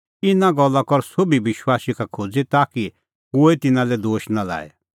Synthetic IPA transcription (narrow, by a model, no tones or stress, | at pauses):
ɪnãɡɔlːakɔɾsobiʋɪʃwaːsikakʰoːd͡zit̪aːki | koːet̪ɪnãlɛd̪oːʃnala̰ːɛ̰